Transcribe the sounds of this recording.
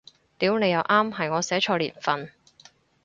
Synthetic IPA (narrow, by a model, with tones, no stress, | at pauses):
t̪iː˨˥wne˨˧jɐ˨˧wʔaː˥mɦɐ˨jŋɔː˨˧sɛː˨˥t͡ʃʰɔː˧lḭː˨˩nfɐ˧n